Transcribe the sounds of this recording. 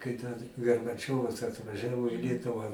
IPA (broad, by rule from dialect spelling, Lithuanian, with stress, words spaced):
kɐɪ tɐs ɡɐrbɐˈt͡ʃʲoːʋɐs ɐtʋɐˈʒʲæːʋoː iː ˈlʲiɛtʊʋɑː